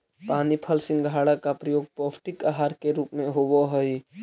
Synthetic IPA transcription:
panipʰəlsɪ̃ŋɡɡʱaɽakapɾəjoɡ̚popʰʈikəɦaɾkeɾupmeɦobɔɦəj

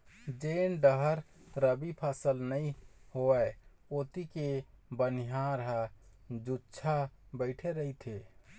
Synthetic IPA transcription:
d͡ʒenɖəɦəɾ | ɾəbipʰasəlnəihoɛ | ot̪ikebəniɦãɾəɦəd͡ʒut͡ʃʰabəɪʈʰeɾəɦit̪ʰe

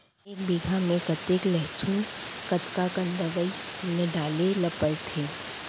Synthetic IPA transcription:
eːkbiɡʱamẽkɐt̪eklɛɦsuːnkɐt̪kakə̃nd̪əʋəineɖaːlelɐpəlt̪ʰeː

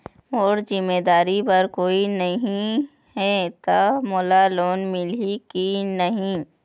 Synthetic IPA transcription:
oːɾzɪmːeːd̪aːɾipɐɾkoːinɐɦĩ | ɦɛt̪amoːlaloːnmɪlikinɐɦĩ

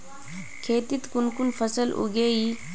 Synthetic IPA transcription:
kʰeːt̪it̪kunkunfəsəlṵɡei

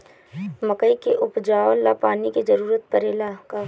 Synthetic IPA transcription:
məkəikeʔʊpd͡ʒaːʋəlːapaːniked͡ʒɐɾuːɾət̪̚pəɾeːlaka

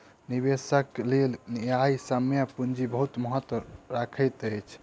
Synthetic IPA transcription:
niβesəklelnijajsəmjapund͡ʒibəɦut̪məɦət̪wəɾakʰət̪əjt͡ʃʰ

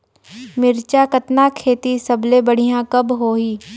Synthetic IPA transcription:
mɪɾt͡ʃakət̪nakʰeːt̪isɐblebɐɽ̤ijãkɐbɦoːɦiː

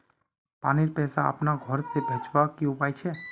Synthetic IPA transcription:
paːniɾpɛːsaə̰pnaɡʱɔɾsebʱeːt͡ʃbakiʊpaːit͡ʃʰɛ

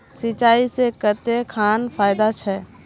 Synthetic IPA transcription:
sɪt͡ʃaːisekət̪ekʰaːnpʰaːjd̪at͡ʃʰɛ

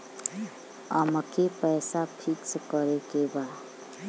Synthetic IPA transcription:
əmkepəɪsapʰikskəɾekeba

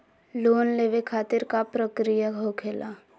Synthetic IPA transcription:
loːnleːʋekʰaːt̪ɪɾkapɾəkɾijaɦokʰeːlʔaː

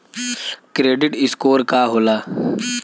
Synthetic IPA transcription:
kɾeːɖɪʈɪskoːɾkaɦoːlaː

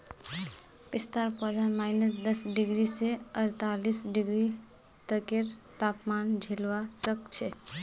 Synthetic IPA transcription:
bist̪aɾpəd̪ʱanmaɪnəsd̪əsɖiɡɾiseəɾt̪alisɖiɡɾi | t̪əkeɾt̪apmand͡ʒʱelwasəkt͡ʃʰɛ

